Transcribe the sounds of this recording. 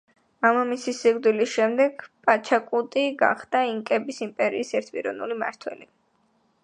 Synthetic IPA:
amamisisiʁd̪ilisʃɛmd̪ɛɡ̥pʼat͡ʃʰakʼut̪ʼiɡa̰χd̪aiŋkʼɛbisimpʼɛɾḭːsɛɾt̪ʰpʼḭɾɔ̰nulima̰ɾt̪ʰwɛ̰li

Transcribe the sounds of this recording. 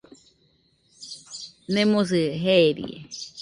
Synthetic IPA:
nẽmõs̬ɨɦeeɾḭḛ

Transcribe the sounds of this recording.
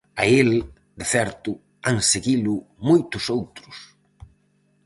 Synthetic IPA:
ael | d̪ɪθɛɾt̪ʊ | aŋseɣilʊmojt̪ʊsowt̪ɾʊs

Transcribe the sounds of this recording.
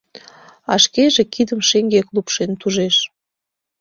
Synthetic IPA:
ɑʃkeʒekid̪əmʃeŋɡeklupʃent̪uʒeʃ

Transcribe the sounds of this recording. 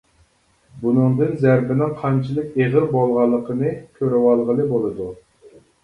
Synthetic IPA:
bunɨŋd̪ɨnzæɾbɪnɪŋqʰɑnt͡ʃʰilˠɨkʲeʁəɾbolˠʁɑlˠːəqʰənɨkʲʰøɾɛwɑlˠʁəlˠɨbolˠɨd̪u

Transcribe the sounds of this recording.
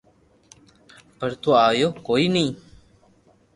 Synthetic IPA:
pəɾt̪uaːjokoinĩ

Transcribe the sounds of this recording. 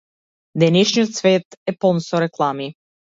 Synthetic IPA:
d̪ɛnɛʃnijot̪svɛt̪ɛpɔnsɔɾɛklˠami

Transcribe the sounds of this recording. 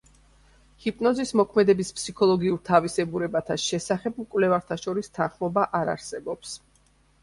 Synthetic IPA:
hipʼnɔzismɔkʰmɛd̪ɛbispʰsikʰɔlˠɔɡiuɾt̪ʰavisɛbuɾɛbat̪ʰaʃɛsaχɛb̚mkʼwvlɛvaɾt̪ʰaʃɔɾist̪ʰanχmɔbaʔaɾa̰ɾsɛbɔps

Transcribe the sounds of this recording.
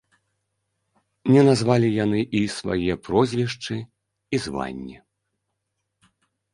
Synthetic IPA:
nʲɛnazvalʲijanɨʔisva̰jɛɛpɾɔzʲvʲɛʂt͡ʂɨ | izva̰nʲːi

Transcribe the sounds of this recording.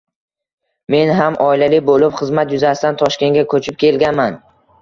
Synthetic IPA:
me̞nɦamʔɒilalɪbolɪpχɨzmat̪jʊzasɪt̪ant̪ʰɒʃkʲe̞ŋɡʲakʰɵt͡ʃʰɪp̚kʲʰe̞lɡʲanman

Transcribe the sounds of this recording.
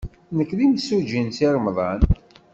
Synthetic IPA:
nəkːðimsud͡ʒinsiɾmðˤɑn

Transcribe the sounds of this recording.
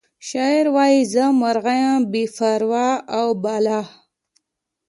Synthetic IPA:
ʃaiɾwaːjizəmaɾɣajãbifaɾwaːawbaːla

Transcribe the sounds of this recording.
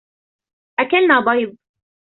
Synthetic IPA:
ʔakalnaːbˤɑjb̚

